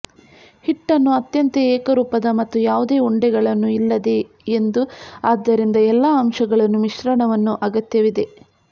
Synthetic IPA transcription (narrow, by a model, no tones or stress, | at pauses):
hiʈːɐnːuɐt̪jɐnt̪eɛːkɐɾuːpɐd̪ɐmɐt̪ːujaːʋud̪e̞ːuɳɖɛɡɐɭɐnːuilːɐd̪e̞ː | nd̪uaːd̪ːɐɾind̪ɐɛlːɐːmʂɐɡɐɭɐnːumiʃɾɐɳɐʋɐnːuʔɐɡɐt̪jɐʋid̪e̞